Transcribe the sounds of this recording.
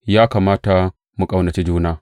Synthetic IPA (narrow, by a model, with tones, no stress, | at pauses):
jaː˦kaː˨maː˦ta˨ | mu˨kʼa˦wnɐ˨t͡ʃi˦d͡ʒuː˦naː˦